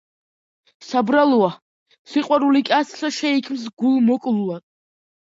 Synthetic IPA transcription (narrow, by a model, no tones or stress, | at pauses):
sabɾalua | siqʼwaɾulikʼasʰsaʃɛikʰms̬ɡulˠmɔkʼlua